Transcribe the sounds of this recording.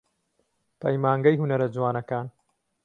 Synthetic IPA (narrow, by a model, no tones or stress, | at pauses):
pʰɐjmaːŋɡɐjhunɐɾɐd͡zuwaːnɐkaːn